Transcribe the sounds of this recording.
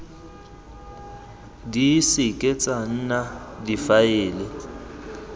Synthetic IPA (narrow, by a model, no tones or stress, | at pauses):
disɪkʼet͡sʼaŋ̩nadifaɪːlɪ